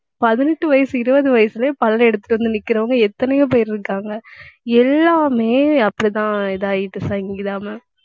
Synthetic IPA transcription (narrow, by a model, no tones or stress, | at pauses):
pɐðɪnɛʈːɯʋɐjɐsɯɪɾɯʋɐðɯʋɐjɐsɪlɐpɐlɐlɛɽɯt̪ːɯ̥ʈːɯɾɐnd̪ɯnɪkːɪɾɐʋɐŋɡɐɛt̪ːɐnɐjõːp̬ojɪɾɪɾɯkːaːŋɡɐɛlːaːmeːɐpːɐɽit̪ãːɪðaːjɪʈːɯsɐŋɡɡɡɪðaːmɐ